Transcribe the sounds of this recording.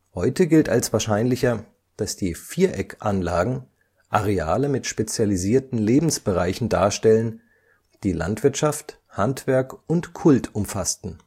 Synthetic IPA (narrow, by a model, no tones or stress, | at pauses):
hɔʏtəɡɪltalsv̥aːɐʃaɪnlɪçɐ | d̥asd̥iːfiːɐʔɛkʔanlaːɡŋ̩ | ʔaʁeaːləmɪtʃpet͡sjaliziːɐtn̩leːbm̩sb̥əʁaɪçn̩da̰ːɐʃtɛlən | d̥iːla̰ntv̥ɪɐtʃaft | hantv̥ɛɐkʔʊntkʰʊltʰʔʊmfastn̩